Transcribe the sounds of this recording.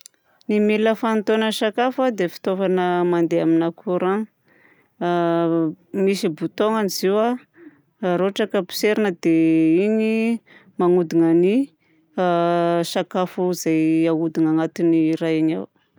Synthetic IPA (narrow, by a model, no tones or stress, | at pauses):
nimiləfant̪onəʃakafad̪efi̥t̪ovanəmand̪eaminakʰuɾaŋ | misibut̪oŋaniziwa | ɾoaʈ͡ʂakəpi̥seɾinəd̪eiɲi | maŋud̪iŋani | aʃakafuizajaud̪iŋaŋat̪iniɾajaɲa̰w